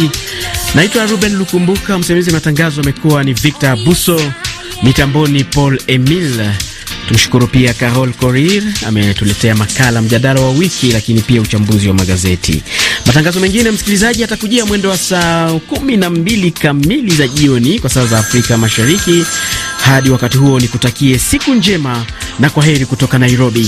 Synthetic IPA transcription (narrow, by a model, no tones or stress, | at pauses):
naitwaɾuɓɛnlukumbukam̩sɛmamizimataŋɡazɔamɛkuwanivik̚tabusɔ | mitambɔnipɔlɛmil | tum̩ʃu̥kuɾupiakaɾɔlkɔɾiɾa̰mɛtulɛtɛamakalam̩ʄaɗalawawikʰilakinipiaut͡ʃambuziwamaɠazɛtʰḭmataŋɡazɔmɛŋɡinɛm̩si̥kilizaʄiatakuʄiamwɛndɛwasaɔkuminambilikamilizaʄiɔnikwasaːzaːfɾikamaʃaɾikihaɗiwakatiɦuɔnikutakiɛsikund͡ʒɛmanakwaɦɛɾikutɔkanajɾɔɓi